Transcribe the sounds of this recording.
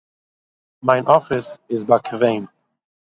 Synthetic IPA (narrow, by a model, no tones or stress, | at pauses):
maɪnʔɔfɪsɪzbakʰəveɪn